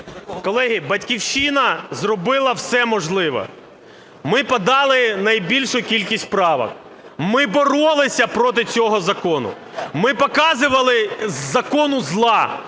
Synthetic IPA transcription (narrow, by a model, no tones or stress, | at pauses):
kɔlˠɛɦʲibɐtʲkʲiwʃinɐzrɔbɪlˠɐwsɛmɔʒlˠɪʋɔ̰ | mɪpɐd̪ɑlˠɪnɐjbʲilʲʃʊkʲilʲkʲisʲt̪̚ʲpɾɑʋɐ̰k | mɪbɔɾɔlˠɪsʲɐpɾɔt̪̬ɪt͡sʲɔɦɔzɐkɔnʊ̰ | mɪpɔkɑzɪʋɐlˠɪzɐkɔnʊzlˠɑ